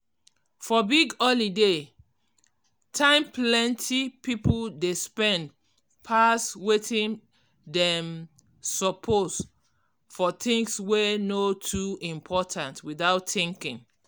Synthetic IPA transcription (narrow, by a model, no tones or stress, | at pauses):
fɔbiɡəlide | tʰãɪ̃mplɛ̃ntʰipipoldespɛ̃nd | pʰaswetĩn | dɛ̃m | sɔpʰos | fɔθĩŋswɛnotʰuĩmpʰɔtʰãntwiðaʊtθĩŋkĩŋ